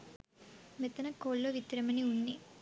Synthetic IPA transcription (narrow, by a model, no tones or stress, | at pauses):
met̪ːɐnɐkoːlːoʋit̪ɾɐmɐniuɳːi